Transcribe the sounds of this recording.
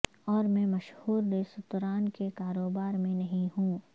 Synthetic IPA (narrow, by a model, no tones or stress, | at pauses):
ɔːɾmɛ̃mɐʃhuːɾd̪eːsʊt̪ɾaːnkekaːɾoːbaːɾmẽnɐɦĩɦũː